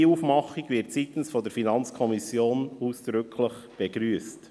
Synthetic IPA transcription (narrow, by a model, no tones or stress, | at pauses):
uːfmɑχiɡvɪɾtsiːt̪n̩sfɔdəɾfinɑnt͡skʰɔmisjoːnuːsd̪̥ɾʏkʰləχb̥eɡɾyːəst